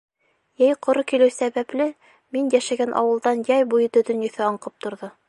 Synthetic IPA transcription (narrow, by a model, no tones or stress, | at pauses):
jæjqŏɾɤkilɘwsæβæplɘ | minjæʃæɡænʔɑ̰wɤ̆lˠd̪ɑnjæjbujɤt̪ɵ̆t̪ɵ̆njɵ̆θæɑɴqɤp̚t̪ŏɾðɤ